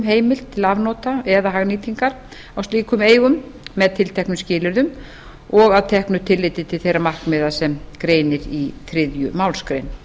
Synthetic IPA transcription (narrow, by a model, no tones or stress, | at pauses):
mɦeːjmɪlt̪ʰːɪlavnɔːt̪aɛðaɦaɣniːt̪iŋkaɾ̥ | awst̪iːkʏmeːjɣʏmːɛðt̪ʰɪlt̪ʰɛhknʏmscɪːlɪɾðʏm | ɔɣaðwt̪ʰɛhknʏt̪ʰɪlːɪjt̪ɪt̪ʰɪlθejramar̥knmɪːðasɛmkɾeːjnɪɾiθɾɪðjʏmawlskɾejn